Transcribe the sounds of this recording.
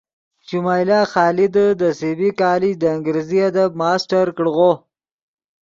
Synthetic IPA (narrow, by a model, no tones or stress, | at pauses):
t͡ʃumajlɑːxɑːlid̪əd̪əsebikɑːlid͡ʒd̪əɪŋɡɾeziad̪ab̚mɑːsʈaɾkɽɣo